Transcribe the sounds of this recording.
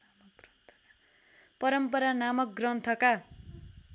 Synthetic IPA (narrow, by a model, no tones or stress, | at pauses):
pʌɾʌmpʌɾanamʌkɡrʌnt̪ʰʌka